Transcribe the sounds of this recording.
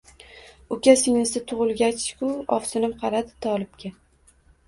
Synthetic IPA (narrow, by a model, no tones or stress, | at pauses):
ʊkʲʰasɪŋnɪsɪt̪ʰʊʁʊlˠɡʲat͡ʃkʰʊɒ̰fsɪnɪmqʰɑɾad̪ɪt̪ʰɒlˠɪb̚kʲa